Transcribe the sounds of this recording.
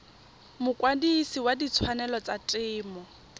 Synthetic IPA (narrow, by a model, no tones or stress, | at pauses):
mʊkʼwadisiwadit͡sʰwanɛlɔt͡satʼɪːmɔ